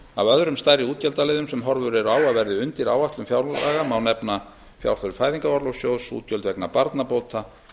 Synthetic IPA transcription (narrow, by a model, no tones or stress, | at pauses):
a̰vœðɾʏmst̪ajɾɪuːt̪̚cœlt̪alɪːðʏmsɛmɦɔɾvʏɾɛɾaːwaðvɛɾðɪʏnt̪ɪɾa̰waht̪lʏmfjawɾlaaːɣamawnɛpna | fja̰wɾ̥θœɾʏfaːjðiŋkavɔɾlowsjoːwsṵːt̪̚cœlt̪vɛknapaɾt̪napowt̪ʰa